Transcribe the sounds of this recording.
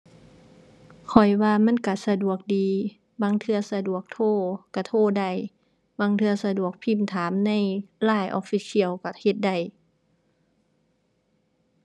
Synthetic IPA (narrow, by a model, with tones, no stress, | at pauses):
kʰɔ˨˩jwaː˧ma˧˥˨nka˧˩sa˧du˨˩ək̚diː˨˧ | baː˧˥˨ŋt̪ʰɯ˧ɐsa˧du˨˩ək̚t̪ʰoː˧˩ka˧˩t̪ʰoː˧˩˨da˧˩j | baː˧ŋt̪ʰɯ˧ɐsa˧du˨˩ək̚pʰi˧˥˩mt̪ʰaː˨˦mna˧˥˨jlaː˧˩jʔɔ̰ː˧˥fi˧˥si˧˨əwka˧˩he˧˦t̪̚da˧˩j